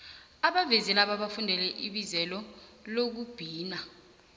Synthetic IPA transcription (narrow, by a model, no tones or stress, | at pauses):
aɓavɛzɛlaɓaɓafundʱɛlɛʔiɓizɛlɔlok̬ub̥ʱiːna